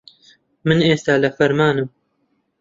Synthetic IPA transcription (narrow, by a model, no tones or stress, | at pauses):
mɨneːst̪aːlɐfɐɾmaːnɨm